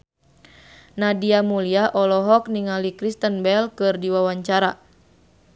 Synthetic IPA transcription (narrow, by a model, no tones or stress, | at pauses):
nadiamuliaʔɔlɔɦɔk̚niŋalikɾist̪ənbɛlkɨrdiwawaɲt͡ʃaɾa